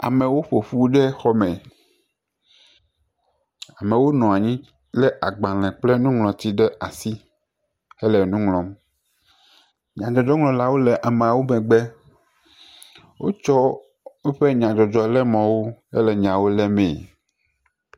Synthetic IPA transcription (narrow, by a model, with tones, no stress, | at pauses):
a̰˨mɛ̃˨wo˦ɸo˨ɸu˦ɖɛ˦xɔ˦mɛ̃˨ | a˨mɛ̃˨wo˦nɔ̃˨a˨ɲĩ˦ | lɛ˦ʔa˨ɡ͡bã˨lɛ̃˨k͡plɛ˦nũ˦ŋlɔ̃˨t̪i˦ɖɛ˦a˨si˦ | ɛ˦lɛ˨nũ˦ŋlɔ̃˨m | ɲã˨d͡ʒɔ˨d͡ʒɔ˦ŋlɔ̃˨la˦wo˦lɛ˨ʔa˨mẽ˨a˨wo˦mɛ̃˨ɡ͡bɛ˦ | wo̰˦t͡ʃɔ˦ | wo˦ɸe˦ɲã˨d͡ʒɔ˨d͡ʒɔ˨lɛ˦mɔ̃˨wo˦ɛ̰˦lɛ˨ɲã˨wo˦lɛ˦mɛ̃˨